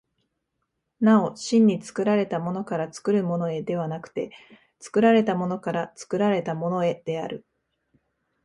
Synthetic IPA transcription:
nao̞ɕĩɲ̟ːit͡sɨ̥kɯ̟ɾaɾe̞t̪amo̞no̞kaɾat͡sɨ̥kɯ̟ɾɯ̟mo̞no̞e̞d̪e̞β̞anakɯ̟̥t̪e̞ | t͡sɨ̥kɯ̟ɾaɾe̞t̪amo̞no̞kaɾat͡sɨ̥kɯ̟ɾaɾe̞t̪amo̞no̞e̞d̪̥e̞aɾɯ̟

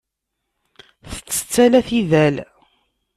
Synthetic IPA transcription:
θə̥t͡sːə̥t͡sːælæθiðæl

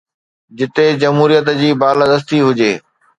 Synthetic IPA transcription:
d͡ʑɪt̪ed͡ʑɐmɦuːɾijət̪d͡ʑiːbaːɾlad̪əs̬t̪iɦʊd͡ʑeː

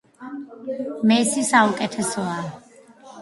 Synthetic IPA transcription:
mɛsisaukʼɛt̪ʰɛsɔa

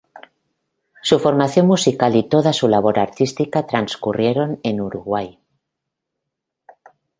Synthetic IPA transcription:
sufo̞ɾmaθjo̞nmusikalit̪o̞ð̞asulaβ̞o̞ɾaɾt̪ist̪ikat̪ɾanskurje̞ɾo̞nenuɾuɣwaj

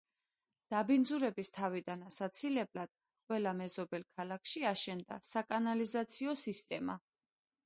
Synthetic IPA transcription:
d̪̥abind̪zuɾɛbist̪ʰavid̪anasat̪sʰilɛblad̪̥ | qʼwɛlamɛzɔbɛlˠkʰalˠakʰʃiaʃɛnd̪a̰sakʼanalizat̪sʰiɔsist̪ʼɛma

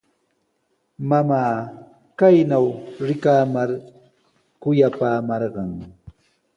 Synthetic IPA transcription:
mamaː | kajnawɾɪkaːmaɾ | kʊjapaːmɑɾɢɑŋ

